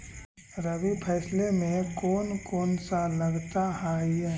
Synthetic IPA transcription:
ɾəɡupʰɛːslemẽkɔːnkɔːnsaləɡt̪aɦaiɛ

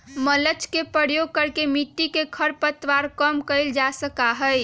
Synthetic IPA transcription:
mələt͡ʃkepɾəɾjoɡ̚kəɾkemiʈːikekʰəɾpət̪ʋaɾkəmkəɪld͡ʒasəkaɦəj

